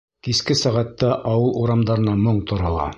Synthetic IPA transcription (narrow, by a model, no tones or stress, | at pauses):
kiskɘsæʁæt̪ːæʔɑwɤlˠʔuɾɑmd̪ɑɾɤ̆nɑmoɴt̪ŏɾɑlˠɑ̰